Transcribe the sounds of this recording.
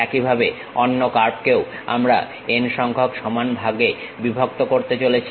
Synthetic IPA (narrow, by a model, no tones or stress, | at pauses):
ɛkibʱabe | ɔnːokaɾp̚keo | a̰mɾa̰ | enʃɔŋkʰokʃɔmanbʱaɡe | bibʱok̚t̪okoɾt̪et͡ɕolet͡ɕʰi